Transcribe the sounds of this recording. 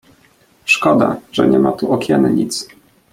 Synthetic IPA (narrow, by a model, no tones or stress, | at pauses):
ʂkɔd̪a̰ʐ̥ɛ̰ɲɛmat̪uʔɔkʲɛnɲḭt̪s